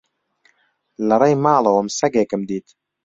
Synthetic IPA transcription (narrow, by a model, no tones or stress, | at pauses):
lɐɾˤejmaːlˠɐwɐmsɐɡeːkɨmd̪iːt̪